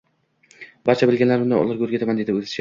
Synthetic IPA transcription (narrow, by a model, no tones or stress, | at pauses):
baɾt͡ʃʰabɪlɡʲanlaɾbʊnd̪a̰ɒ̰lˠɨɾɡʲɵɾɡʲet̪amand̪ed̪ɪɵzɪʃa